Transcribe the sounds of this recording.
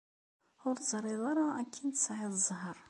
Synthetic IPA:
ʊɾt̪zɾˤiðˤɑɾˤɑækʰːint̪sʕɪðˤzˤɦəɾˤ

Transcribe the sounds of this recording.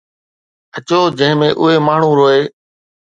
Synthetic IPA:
ət͡ɕoːd͡ʑə̃ɦɪ̃mẽːʔʊɦeːmaːɳ̤ũɾoːeː

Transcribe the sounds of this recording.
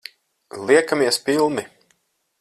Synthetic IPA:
lˠiɛkamiɛspilˠni

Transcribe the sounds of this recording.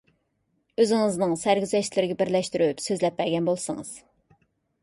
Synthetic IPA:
øzɪŋɨznɨŋsæɾɡʲyzɛʃt̪lɪɾɪɡʲɛbɪɾlɛʃt̪yɾypsøzlɛp̚ːæɾɡʲɛnbolˠsɨ̰ŋɨ̰z̥

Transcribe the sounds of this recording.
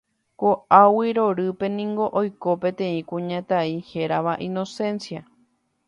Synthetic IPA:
koawiɾo̞ɾɨpe̞nĩŋɡo̞ʔojko̞pẽ̞t̪ẽ̞ĩkũɲãt̪aihe̞ɾaʋaʔĩno̞sẽ̞nsja

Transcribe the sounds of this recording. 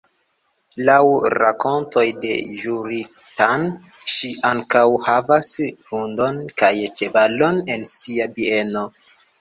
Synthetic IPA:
lawɾa̰ko̞nto̞jde̞̰ʒuɾi | tan | ʃiʔaŋkawhavashundo̞nkajt͡ʃebalo̞ne̞nsiabie̞no̞

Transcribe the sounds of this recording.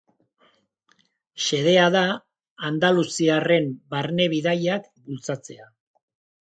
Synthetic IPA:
ʃe̞ðe̞aðaː | nd̪alusiare̞mbaɾne̞βiðajak | bult͡sat͡se̞a

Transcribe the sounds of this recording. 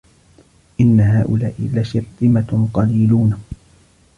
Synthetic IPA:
ʔɪnːaɦaːʔʊlaːʔɪ̰laʃɪɾt̪ˤɨmaqɑliːluːn

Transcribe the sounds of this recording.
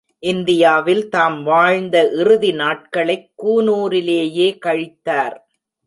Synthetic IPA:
ʔɪnd̪ɪjaːʋɪlt̪aːmʋaːɻnd̪ɐʔɪɾɯðinaːʈ̚kɐɭɐɪkːuːnuːɾɪleːjeːkɐɻɪt̪ːaːɾ

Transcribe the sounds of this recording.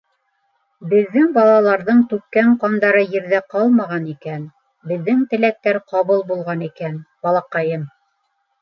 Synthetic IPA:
bɘ̆ðːɘŋbɑlˠɑlˠɑɾðɤɴt̪ʉkːæɴqɑnd̪ɑɾɤjɘ̆ɾðæqɑlˠmɑʁɑnikæn | bɘ̆ðːɘŋt̪ɘ̆læk̚t̪æɾqɑβɤlˠbulˠʁɑnikænb̥ɑlˠɑqɑjɤm

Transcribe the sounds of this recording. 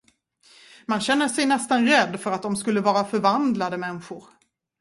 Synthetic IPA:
manɕɛnːəʂɛjnɛst̪anɾɛd̪ːfœɾat̪̚d̪ɔmskɵlːəvɑːɾafœɾvand̪lad̪əmɛnɧʊɾ

